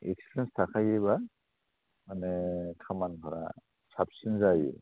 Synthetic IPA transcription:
ḛkspɾenstʰakʰajieba | manɛkʰamankʰɔɾa̰ | sʰap̚sinzajḛ

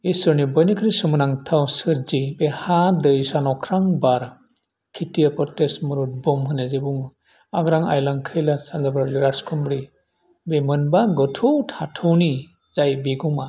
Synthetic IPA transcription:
esɯɾnibɔjnikʰɾisɔmɯnaŋtʰawsɯɾd͡ʒibehadɯjsanɔkʰɾaŋbaɾ | kʰitijapɔtesmɯɾut̚bɔmɦɯnezebuŋ | aɡɾaŋa̰jlaŋkʰɯjlasanzabɾaliɾaskʰɔmbɾi | bemɯnbaɡɔtʰuwtʰatʰɔwni | zajbeɡuma

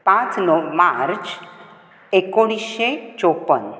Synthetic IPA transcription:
pãt͡snɔmaɾt͡ɕ | ekoɽ̃iset͡ʃopən

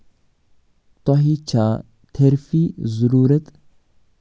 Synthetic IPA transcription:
t̪ɔɦit͡ʃʰa | t̪ʰeɾfizuɾuːɾət̪

